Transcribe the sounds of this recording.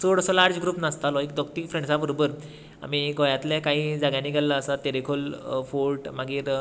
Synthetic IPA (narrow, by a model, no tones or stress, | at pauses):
soɽəsɔlaɾd͡zɡɾuːpnəst̪alɔekd̪ɔk̚t̪ikfɾẽɳɖsabəɾobəɾ | a̰miɡɔjat̪lɛkaɦiːd͡zaɡãniːɡʱalːəːsat̪eɾekʰolfolʈmaɡiːɾ